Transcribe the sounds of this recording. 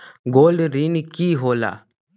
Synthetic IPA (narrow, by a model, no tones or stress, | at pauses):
ɡoːlɖɾinkiːɦoːla̰ː